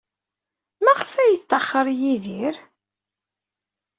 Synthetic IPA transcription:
mæʁəfæjət̪ˤːɑχːəɾˤjiðiɾ

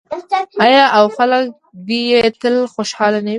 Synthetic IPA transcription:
ɑjɑʔawxalək̚ | d̪ijet̪əlxoʃhɑlanawi

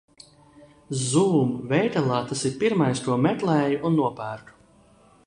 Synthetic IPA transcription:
zuːmvɛjt̪alˠaːt̪asiɾpiɾmajst̪uɔmɛt̪lˠɛːjuʔunːuɔpæːɾt̪u̥

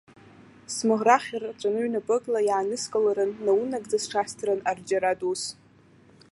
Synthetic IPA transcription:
smɨʁraχʲart͡ʃʷʼanɨɥnapʼɨkʼlajaːnɨskʼalaɾɨnːawunaɡʼd͡zasʈ͡ʂʰastʰranard͡ʒaɾatʼus

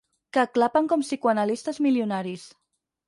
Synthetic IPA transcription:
kəːklapəŋkɔmsikuanəlist̪əzmiljunaɾis

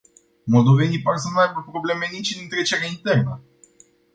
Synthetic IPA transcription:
mold̪o̞venijpaɾs̬ənuajbəpɾo̞ble̞menit͡ʃnɨnt̪ɾet͡ʃeɾeaint̪e̞rnə

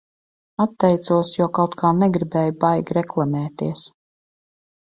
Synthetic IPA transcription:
at̪ːɛjt̪suɔsjuɔkawt̪kʰaːnɛɡɾibɛːjbajɡɾɛklˠamɛːt̪iɛs

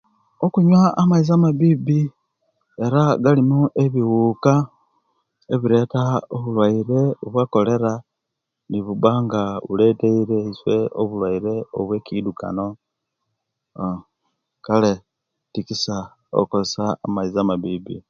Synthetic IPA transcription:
okuɲwaːmaiz̬amaβibi | e̞ɾaɡalimoʔeβiwuːka | eβiɾe̞ːtaoβulwaiɾe̞oβwako̞le̞ɾa | niβubaːŋɡaṵle̞teiɾe̞iswe̞oβulwaiɾe̞o̞̰βwe̞ːkiduka̰no̞ | kale | tikisa | o̰kosa̰ːmaizamaβiːbḭ

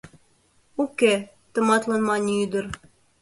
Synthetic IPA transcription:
ukɘ | t̪ɤ̆mɑt̪lˠɑnmɑnʲiyd̪ɤ̆ɾ

